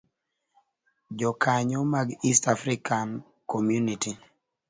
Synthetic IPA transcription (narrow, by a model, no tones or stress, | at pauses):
d͡ʒɔkʰaɲɔmaɡistafɾikʰan | komjuniti